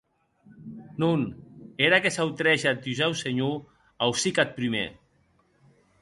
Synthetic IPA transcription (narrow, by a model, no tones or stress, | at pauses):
nuneɾakesawt̪ɾɛʃat̪̚uzɛwseɲu | awsikat̪̚pɾimḛ